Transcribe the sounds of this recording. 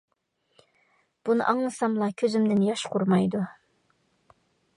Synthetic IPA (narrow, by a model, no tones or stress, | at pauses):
b̥unɨ̰ʔɑŋnɨsɑmlˠɑkʲʰøzymd̪ɪnjɑʃqʰʊɾmɑjd̪u